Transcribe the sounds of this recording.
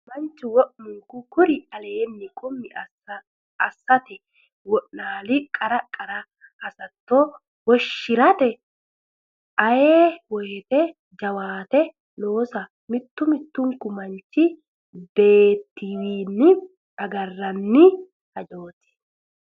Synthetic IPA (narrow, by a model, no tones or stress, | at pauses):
mɐnt͡ʃːɪwɔʔmʊŋkʊkʊɾɪɐleːnːɪkʼʊmːɪ | ɐsːɐt̪ɛ | wɔʔnaːlɪkʼɐɾɐkʼːɐɾɐ | hɐsɐt̪ːo | wɔʃːɪɾɐt̪ɛ | ʔɐjeːwɔjɛt̪ɛ | d͡ʒɐwaːt̪ɛ | lo̞ːsɐ | mɪt̪ːʊmɪt̪ːʊŋkːʊmɐnt͡ʃːɪ | be̞ːt̪ːɪwiːnːɪ | ɐɡɐrːɐnːɪ | hɐd͡ʒo̞ːt̪ɪ̥